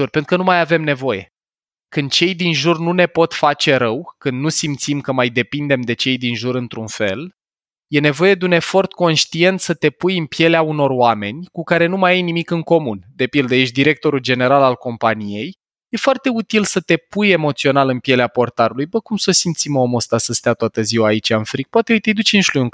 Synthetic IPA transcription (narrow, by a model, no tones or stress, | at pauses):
urpent̪ɾukənumajave̞mne̞vo̞je̞̰ | kɨnd̪̚t͡ʃe̞jd̪inʒurnune̞po̞t̪fat͡ʃe̞ɾəwkɨnd̪nusimt̪simkəmajd̪e̞pind̪e̞md̪e̞t͡ʃe̞jd̪inʒuɾɨnt̪ɾunfe̞̰l | je̞ne̞vo̞je̞d̪eune̞fo̞rt̪ko̞nʃt̪ie̞nt̪sət̪e̞pujɨnpje̞leauno̞roame̞nʲkukaɾe̞numajajnimikɨŋko̞mund̪e̞pild̪əje̞ʃd̪iɾe̞k̚t̪o̞ɾuld͡ʒe̞ne̞ɾalalko̞mpanije̞j | je̞foart̪e̞ut̪ilsət̪e̞puje̞mo̞t̪sio̞nalɨnpje̞leapo̞rt̪aɾulujbəkumsosimt̪simomost̪asəst̪eat̪oat̪əziwaːit͡ʃaɨnfɾik̚pwat̪eojt̪ejd̪ut͡ʃenʃlujuŋk